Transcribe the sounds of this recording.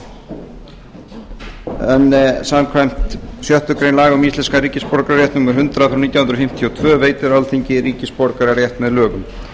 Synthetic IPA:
ɛnːɛsamkʰvajm̥t̪sjœht̪ʏkɾejnlaːɣamist̪lɛnskaɾiːcɪspɔɾkɾaɾjɛht̪nʏmɛɾ̥ɦʏnt̪ɾaθɾunit̪jahnɾɔfɪm̥t̪ʰijɔt̪ʰvœːveːjt̪ɪɾalt̪ʰiɲcɪɾiːcɪspɔɾkaɾaɾjɛht̪mɛðlœːɣʏm

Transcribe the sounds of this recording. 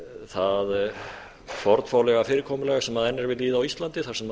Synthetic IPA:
θað | fɔɾt̪faːwlɛɣafɪːɾɪkʰɔːmʏlɛɣasɛmaðɛnːɛɾvɪðliːðaːwist̪lant̪ɪθaɾ̥sɛm

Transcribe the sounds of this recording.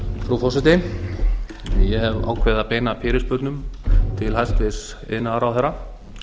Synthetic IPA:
fɾufɔsɪt̪ɪ | jɛɦɛva̰ːwkʰvɛðapeːjnapʰɪːɾɪspʏɾt̪nʏmt̪ʰɪlhajst̪vɪs | ɪ̰ðnaɾawθɛɾa

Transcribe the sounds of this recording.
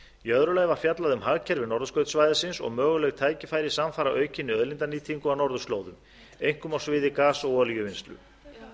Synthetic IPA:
jœðɾʏlajvaɾ̥fjat̪laðʏmhaɣcʰɛɾvɪnɔɾðʏskœɥt̪svajðɪsɪnsɔ̰ɣmœːɣʏlɛɣt̪ʰaːjcɪfaːjɾɪsamfaːɾaʔœːɥcʰɪnːɪœðlint̪aniːt̪ʰiŋkʏawnɔɾðʏst̪lowðʏm | ejŋ̥kʏmawsvɪːðɪkaːsɔɣɔljʏvɪnst̪lʏ̰

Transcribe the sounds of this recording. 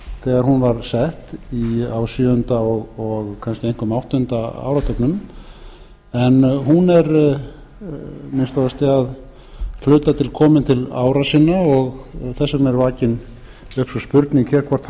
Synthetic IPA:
θɛːɣaɾ̥hunvaɾsɛht̪iawsʏʏnt̪aɔɣɔɣkʰanscɪejŋ̥kʏmawht̪ːnt̪aa̰ːwɾat̪ʰœknʏm | ɛnɦunɛɾ | mɪnst̪ɔðast̪ɪað | kʰlʏːt̪at̪ʰɪlkʰɔːmɪnt̪ʰɪlaːwɾasɪnːaɔɣθɛsːamɛɾvaːcɪn | ʏhpsɔspʏɾt̪niŋkçɛɾ̥kʰvɔr̥t̪

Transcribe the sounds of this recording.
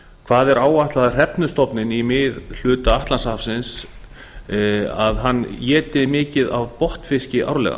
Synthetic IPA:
kʰv̥aːðɛɾaːwaht̪laðar̥ɛpnʏst̪ɔpnɪnimɪðl̥ʏːt̪aaht̪lansafsɪns | aðɦanːjɛːt̪ɪmɪːcɪðavpɔht̪fɪscɪʔa̰wɾlɛ̰ɣa̰

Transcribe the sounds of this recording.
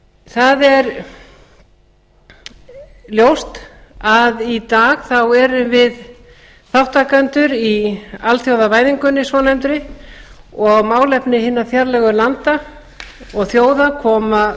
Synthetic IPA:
θaðɛɾ | ljowst̪aðit̪aːɣθawɛɾʏvɪð | θawht̪akant̪ʏɾialθjowðavaːjðiŋkʏnːɪsvɔːnajmt̪ɾɪ | ɔɣmaːwlɛpnɪɦɪnːaθjaɾlɛɣʏlant̪a | ɔɣθjoːwðakʰɔːma

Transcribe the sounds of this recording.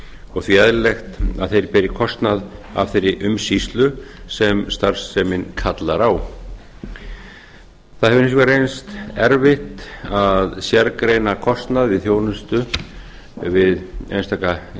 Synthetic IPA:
ɔɣθviɛðɾlext̪a̰ðθejɾpɛɾɪkʰɔst̪naða̰vθejɾɪʔʏmsist̪lʏsɛmst̪ar̥sːɛmɪnkʰat̪laɾaw | θaðhɛvʏnɪs̬kaɾejnst̪ɛɾvɪht̪aðsjɛɾkɾejnakʰɔst̪naðvɪðθjoːwnʏst̪ʏ | vɪðḛnst̪aka

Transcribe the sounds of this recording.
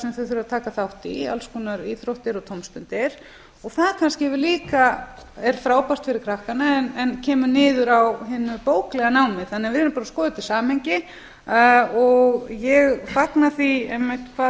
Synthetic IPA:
sɛmθœθɪɾɪɾaðt̪ʰaːkaθawht̪ia̰lskuːnaɾiːθɾowht̪ɪɾɔt̪ʰomst̪ʏnt̪ɪɾ̥ | ɔɣθaðkʰanscɪɛvɪɾliːka | ɛɾ̥fɾaːwpast̪fɪɾɪɾkʰɾahkanaɛnɛncʰɛːmʏnɪːðʏɾawɦɪnːʏpoːwklɛɣanaːwmɪθanːɛvɪɾɪnpaːɾaskɔːðʏt̪ʰɪlsaːmhejɲcɪ | ɔɣjɛɣfaknaθiejmːɪht̪kʰva

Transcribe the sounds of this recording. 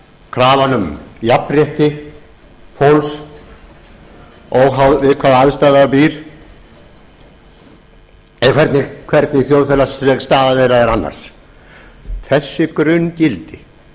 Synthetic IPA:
kʰɾaːvanʏmjapːrjɛht̪ɪ | fowls | ɔɣɦawðvɪðkʰvaːðaðst̪aːðapiːɾ̥ | ɛkʰvɛɾt̪nɪkʰvɛɾt̪nɪθjowðfɛlasɾɛɣst̪aːðavɛjɾaɛɾanːa̰ɾ̥ | θɛsːɪkɾʏncɪlt̪ɪ

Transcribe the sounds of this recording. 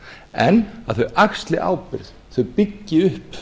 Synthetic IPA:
ɛnːaðθœɥʔaxst̪lɪʔa̰ːwpɪɾð | θœɥpɪcːɪʏhp

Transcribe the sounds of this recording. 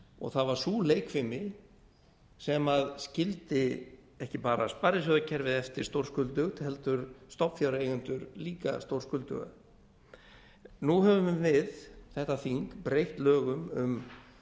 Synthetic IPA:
ɔ̰ɣθaðvaɾ̥suːleːjkʰfɪmɪ | sɛmaðscɪlt̪ɪ | ɛhcɪpaːɾaspaɾɪs̬œðacʰɛɾvɪðɛft̪ɪ̥st̪owr̥skʏlt̪ʏɣt̪ʰɪɦɛlt̪ʏɾst̪ɔpfjawɾaejɣʏnt̪ʏɾliːka̰st̪owrskʏlt̪ʏ̰ɣa̰ | nuhɛvʏmvɪðθɛht̪aθiŋkpɾejht̪lœːɣʏmʏm

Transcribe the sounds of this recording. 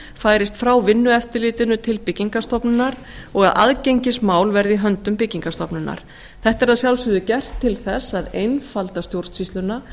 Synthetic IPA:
faːjɾɪst̪fɾawvɪnːʏɛft̪ɪlɪːt̪ɪnʏt̪ʰɪlpɪcːiŋkast̪ɔpnɪnaɾ | ɔɣaðʔa̰ðcejɲcɪsmaːwlvɛɾðiɦœnt̪ʏmpɪcːiŋkast̪ɔpnʏna̰ɾ̥ | θɛht̪ɛɾaðsjawlsʏðʏcɛr̥t̪ʰːɪlθɛsaðejnfalt̪ast̪jowɾ̥r̥t̪sist̪lʏnːa

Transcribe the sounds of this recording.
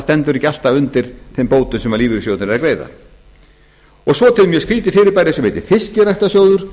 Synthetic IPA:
st̪ɛnt̪ʏɾical̥t̪aʏnt̪ɪɾ̥θempoːwt̪ʏnsɛmaliːvɪɾsjowt̪ɾɛɾakɾeːjða̰ | ɔɣsvɔt̪ʰɪlmjɛskɾiːt̪ɪfɪːɾɪɾpajɾɪsɛmvejt̪ɪ̥fɪscɪɾajht̪asjoːwðʏɾ̥

